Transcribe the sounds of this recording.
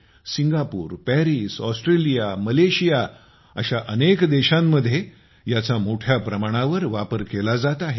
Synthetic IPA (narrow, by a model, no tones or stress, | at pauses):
siŋɡapuːɾpɛɾiːsɔsʈɾelijaməleɕija | ə̰ɕaʔənekd̪eɕamːəd̪ʱːje | jat͡samoʈʰjapɾəmaɽ̃aʋəɾʋapəɾkelad͡zat̪aɦe